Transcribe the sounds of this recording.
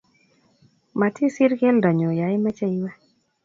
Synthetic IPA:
ma˨tʰi˦si˦ɾkɛ˦lda˨ɲo˨ja˨i˦ma˦t͡ʃa˦i˦wɛ˦

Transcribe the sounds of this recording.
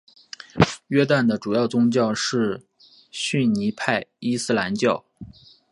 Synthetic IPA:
ɥɛ˥t̪a˥˩nd̪ə˩ʈ͡ʂu˨˩jɑ˥˩ʊt͡sʊ˥ŋt͡ɕjɑ˥˧ʊʂɻ̩˥˩ | ɕy˥˩nni˧˥pʰa˥˩ɪi˥sɹ̩˥la˧˥nt͡ɕjɑ˥˩ʊ

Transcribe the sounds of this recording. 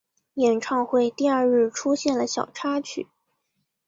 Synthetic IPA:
jɛ˨˩nʈ͡ʂʰɑ˥˧ŋxwe˥˧ɪt̪i˥˧ɐ˞˥˧ɻɻ̩˥˩ʈ͡ʂʰu˥ɕjɛ˥˩nlə˩ɕjɑ˨˩ʊʈ͡ʂʰa˥t͡ɕʰy̰˨˩˦

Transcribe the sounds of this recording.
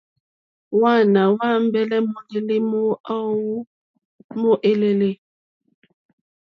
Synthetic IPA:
wa˦˨na˨wa˦m˦bɛ˦lɛ˦mo˦le˦le˦m˦a˦wu˦ | mo˦ʔe˦le˦le˦

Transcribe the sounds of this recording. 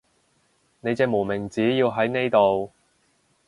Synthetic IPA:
ne˨˧jt͡sɛː˧mo˨˩mɪ˨˩ŋt͡siː˨˥jiː˧wɦɐ˨˥jne˥jt̪o˨w

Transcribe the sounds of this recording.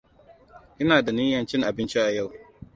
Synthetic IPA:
ʔɪ˦naː˨da˨niː˦jɐ˨nt͡ʃɪ˦ŋʔa˨bɪ˦nt͡ʃi˦ʔa˨ja˦˨w

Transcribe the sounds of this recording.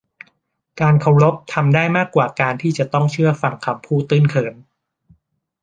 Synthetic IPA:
kaː˧nkʰa˧wɾo˦˥p̚t̪ʰa˧mdaː˥˩jmaː˥˩kːwaː˨˩kaː˧nt̪ʰiː˥˩t͡ɕa˨˩t̪ɔ˥˩ŋt͡ɕʰɯ˥˩ɐfa˧ŋkʰa˧mpʰuː˥˩t̪ɯː˥˩nkʰɤː˧˩n

